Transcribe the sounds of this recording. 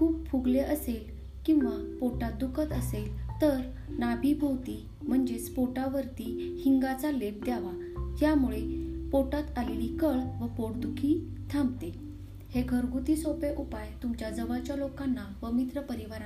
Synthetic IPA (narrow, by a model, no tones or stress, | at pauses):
kʰuːpfuɡleʔəsel | kĩw̃ʋapoʈat̪̚d̪ukʰət̪əselt̪əɾ | nabʱibʱowt̪i | m̤əɳd͡ʑespoʈaʋəɾt̪ihiŋɡat͡salep̚d̪jaʋa | ɦjamuɭepoʈat̪alelikəɭʋəpoɽd̪ukʰi | t̪ʰãmbt̪e | heɡʱəɾɡʱut̪iːsopeʔupajt̪umt͡ɕjad͡zəʋat͡ɕjalokanːapəmit̪ɾəpəɾiʋaɾa